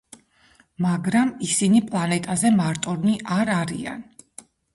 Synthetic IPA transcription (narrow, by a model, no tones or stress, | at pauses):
maɡɾamisinipʼlˠanɛt̪ʼazɛmaɾt̪ʼɔɾniʔaɾaɾia̰n